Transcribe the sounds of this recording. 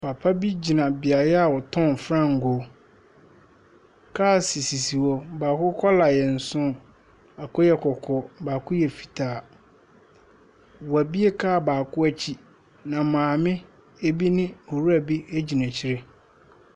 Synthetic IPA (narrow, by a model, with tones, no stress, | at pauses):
pʰa˨pʰa˦bi˦d͡ʑi˨nã˨bɪ˨a˨jɛ˦a˨wɔ˨tʰɔ̃˦˨n˨fɾã˦˨ŋ̩˨ɡɔ˨˦ | kʰaː˦˨si˨si˨si˨wɔ˦baː˨kʊ˦kʰɔ˦la˨jɛ˨n̩˨sʊ̃˦ | a˨kʰɔ˦jɛ˦kʰɔ˨kʰɔ˨baː˨kʰʊ˦jɛ˨fi̥˨tʰaː˨ | wɔ˨æ˨bi˦e˦kʰaː˦˨baː˨kʰʊ˦æ˦t͡ɕʰi˦ | nã˨mãː˨mɪ̃˦ | e˦bi˦nɪ̃˦o˨ɾu˦æ˨bi˦e˦d͡ʑi˨nã˨t͡ɕʰi˦ɾe˦